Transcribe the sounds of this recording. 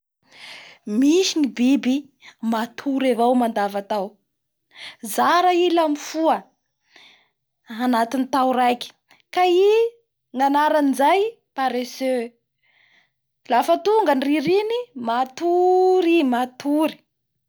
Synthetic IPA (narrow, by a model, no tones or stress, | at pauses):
miʃinibibi | mat̪ʰuɾevawmand̪avat̪aw | zaɾailamifuə | anat̪init̪awɾajki̥ | kai | ŋanaɾanizaj | paɾesø | lafət̪uŋɡaniriɾinimat̪uɾimat̪uɾi̥